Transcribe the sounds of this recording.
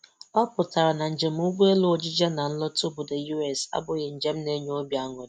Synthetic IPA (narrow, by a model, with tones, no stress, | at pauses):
ɔ˦pʊ˨ta˨ɾa˨na˨n̩˨d͡ʒe˨m̩˦u˦ɡ͡bu˦e˦lʊ˦o˨d͡ʒi˦d͡ʒa˦na˨n̩˦lɔ˦tʊ˦bʊ˨de˨ju˦ɛ˨sa̰˦bʊ˨ɣɪ˨n̩˨d͡ʒe˦m̩˦ne˦ɲ˦o˦bja˦ŋɔ˨d